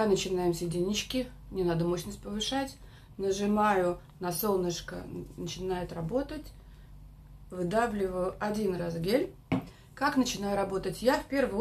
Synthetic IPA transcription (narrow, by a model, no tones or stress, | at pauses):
nət͡ɕɪnajɪmsʲɪdʲɪnʲɪt͡ɕkʲɪ | nʲɪnad̪əmoɕnəsʲt̚ʲpəvɨʂatʲ | nəʐɨmajʊ | nɐso̞lˠnəʂkə̰nət͡ɕɪnajɪt̪rɐbo̞t̪ətʲ | vɨd̪avlʲɪvəjʊʔɐdʲinrazɡʲelʲ | kaknət͡ɕɪnajʊɾɐbo̞t̪ətʲjafpʲe̞rvə